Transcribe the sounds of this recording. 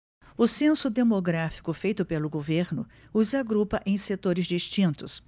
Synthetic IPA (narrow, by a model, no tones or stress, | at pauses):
ʊsẽsʊd̪emoɡɾafi̥kʊfejt̪ʊpelʊɡoveɾnʊ | ʊzaɡɾupɐʔẽj̃set̪oɾɪzd͡ʒist͡ʃĩnt̪ʊs